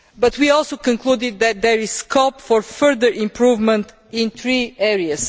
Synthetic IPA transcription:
bʌt̪wiɔlˠsokɔ̃ŋklud̪ɪd̪̚ðɛt̪̚d̪ɛɹiz̥skʰɔpfɔɹfɜɹðəɹʔĩmpɹuvmə̃nt̪ | ĩnθɹiɛɹiəs

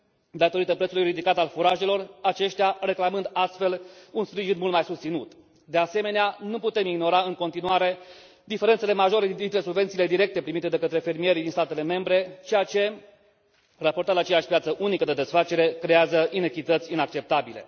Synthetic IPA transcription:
d̪at̪o̞ɾit̪əpɾesulujɾid̪ikat̪alfuɾaʒe̞lo̞rat͡ʃe̞ʃt̪eare̞klamɨnd̪ast̪fe̞lunspɾiʒinmult̪majsust̪sinut̪ | d̪e̞ase̞me̞neanuput̪e̞miɡno̞ɾaɨŋko̞nt̪inuaɾe̞ | d̪ife̞ɾent̪se̞le̞maʒo̞ɾed̪int̪ɾe̞subvent̪sile̞d̪iɾe̞k̚t̪e̞pɾimit̪e̞d̪ekət̪ɾe̞fe̞rmije̞ɾid̪inst̪at̪e̞le̞me̞mbɾe̞t͡ʃejat͡ʃe̞ | raport̪ad̪at͡ʃe̞jaʃʲpjat̪səʔunikəd̪e̞d̪e̞sfat͡ʃe̞ɾe̞kɾe̞azəʔinekʲit̪ət̪sʲinak̚t͡ʃe̞p̚t̪abile̞̰

